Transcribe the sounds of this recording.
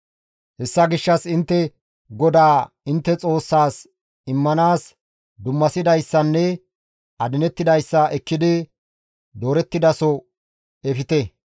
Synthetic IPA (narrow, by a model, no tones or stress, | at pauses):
hɛsːɐɡɪʃːɐsɪnt̪ːɛ | ɡɔd̪aː | ɪnt̪ːɛt͡sʼo̞ːsːaːs | ɪmːɐnaːs | d̪ʊmːɐsɪd̪ɐjsːɐnːɛ | ɐd̪ɪnɛt̪ːɪd̪ɐjsːɐʔɛkːɪd̪ɪ | d̪o̞ːɾɛt̪ːɪd̪ɐsɔ | ɛfɪt̪ɛ